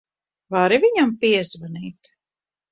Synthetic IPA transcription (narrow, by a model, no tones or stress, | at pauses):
vaɾiviɲampiɛzvaniːt̪